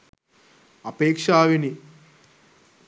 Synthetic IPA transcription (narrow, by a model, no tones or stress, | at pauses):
ɐpeːkʂaːʋini